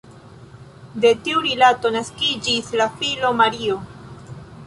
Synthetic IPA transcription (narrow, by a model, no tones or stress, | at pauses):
de̞tiuɾilato̞naskid͡ʒislafilo̞maɾio̞